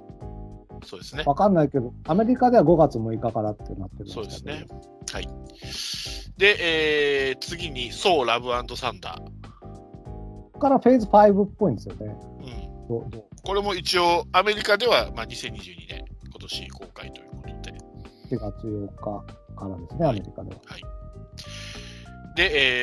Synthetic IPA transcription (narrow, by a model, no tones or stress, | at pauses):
so̞ːd̪e̞sɨne̞βakanːaike̞d̪o̞ame̞ɾʲikad̪e̞βaɡo̞ɡat͡sɨmo̟ikakaɾat̪ːḛnat̪ːeɾɯsoːd̪esɨne | hai | d̪e̞ʔeːt͡sɨɡʲiɲ̟iso̞ːɾabɯ̟ãnd̪o̞sãnd̪a̰ | kaɾaɸe̞ːzɨɸaibɯ̟pːo̞ĩnd̪e̞sɨjone̞ɯ̟̃ɴd̪̥od̪oːko̞ɾe̞mo̞it͡ɕio̞ame̞ɾʲikad̪e̞βamaːɲ̟isẽ̞ɲ̟ːiʑɨ̟ːɲ̟inḛ̃ŋko̞t̪o̞ɕḭko̞ːkait̪o̞jɯ̟ːkot̪o̞d̪e̞ɕiɡat͡sɨjo̞kːakaɾad̪e̞sɨneame̞ɾʲikad̪e̞̰βa̰hai | d̪e̞eː